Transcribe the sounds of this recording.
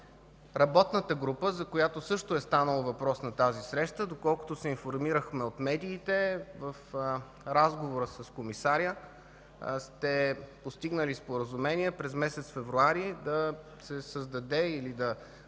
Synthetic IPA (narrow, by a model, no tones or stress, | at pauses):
ɾɐbɔt̪nət̪əɡɾupəzɐkojat̪osɤʃt̪oɛst̪anəlˠəvɐpɾɔsnɐt̪azisɾɛʃt̪əd̪okɔlˠko̥t̪ʊsɛinfoɾmiɾəxmɛot̪mɛd̪iːt̪ɛvəf | ɾazɡovoɾəsɐskomisaɾʲjə | st̪ɛpost̪iɡnəlispoɾəzumɛnʲiɛpɾɛzmɛsɛt̪sfɛvɾuaɾid̪ɐ | sɛsəzd̪ɐd̪ɛilid̪ɐ